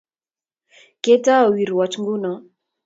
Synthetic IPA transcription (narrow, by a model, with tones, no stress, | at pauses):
ke˦ta˦ɔ˨wi˨ɾwɔ˨t͡ʃŋɡu˦nɔ˨